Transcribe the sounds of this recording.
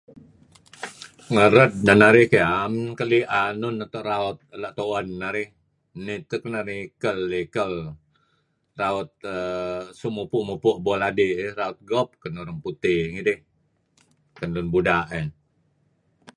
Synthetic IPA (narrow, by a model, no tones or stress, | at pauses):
ŋəɾət̪̚danaɾɪhkeamkəliʔanʊnat̪ɔʔraɔt̪̚əlaʔt̪owənːaɾɪh | nit̪əkənarikəlːikəl | raɔt̪̚əsumupuʔmupʊʔbɔladiʔraʊt̪̚ɡɔp̚kənuɾaŋput̪ɪŋidɪh | kənlʊnbudaʔə